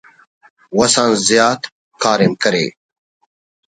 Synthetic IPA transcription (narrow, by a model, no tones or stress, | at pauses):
wɐsãːnzjaːt̪ | kaːɾemkɐɾḛː